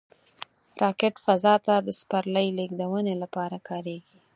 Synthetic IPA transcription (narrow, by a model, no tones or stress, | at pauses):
ɾʔɑkɪʈfazɑt̪ad̪əspaɾləjleɡd̪awənelapɑɾakɑɾeɡi